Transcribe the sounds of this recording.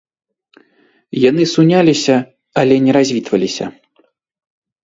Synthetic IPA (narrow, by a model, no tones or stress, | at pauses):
janɨsunʲalʲisʲɐ | alʲɛnʲɛɾazʲvʲit̪vɐlʲisʲɐ̰